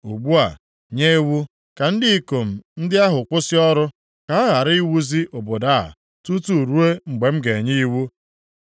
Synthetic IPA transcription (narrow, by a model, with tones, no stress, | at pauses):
u˨ɡ͡bu˦a˨ | ɲe˦e˦wu˦ | ka˨n̩˦dɪ˦i˦ko˨m̩˨n̩˦dɪ˦a˦ɦʊ˨kʷʊ˦sɪ˦ɔ˦ɾʊ˦ | ka˨a˦ɣa˨ɾi˦i˦wu˦zi˦ʔo˨bo˨da˦˨a̰˨ | tu˦tu˦˨ɾu˦e˦ŋ͡m̩˨ɡ͡be˨m̩˦ɡe˨ɲi˦i˦wu˦